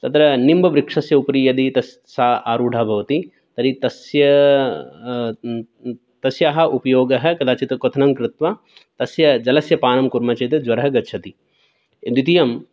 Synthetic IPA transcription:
t̪ɐt̪ɾɐnimbɐʋɾikʂɐsjɐupɐɾijɐd̪it̪ɐs | saːaːɾuːɖʱaːbʱɐʋɐt̪i | t̪ɐɾit̪ɐsjɐ | t̪ɐsjaːɦɐ̆ʔupɐjoːɡɐɦɐ̆kɐd̪aːt͡ʃit̪ɐkot̪ʰɐnɐmkɾɪt̪ʋɐ | t̪ɐsjɐd͡ʒɐlɐsjɐpaːnɐmkuɾmɐt͡ʃɐːt̪ɐd͡ʒʋɐɾɐɦɐɡɐtːʃʰɐt̪i | d̪it̪ijɐm

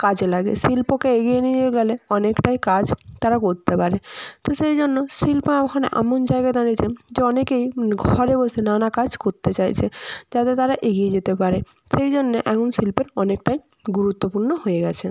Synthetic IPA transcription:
kad͡ʑelaɡḛsilpokeeɡijenid͡ʑeɡɛleɔnekʈajkad͡ʑt̪aɾakoɾt̪epaɾet̪oʃejd͡ʑonːosilpoɛkʰaneʔɛ̰mond͡ʑaeɡad̪anit͡ɕʰed͡ʑeɔnekejɡʱɔɾebosenanakad͡ʑkoɾt̪et͡ɕajt͡ɕʰed͡ʑat̪et̪aɾaʔeɡijed͡ʑet̪epaɾe | ʃejd͡ʑonːeʔɛkonsilpeɾɔnek̚ʈaj | ɡuɾut̪ːopuɾnoɦojeɡɛt͡ɕʰe

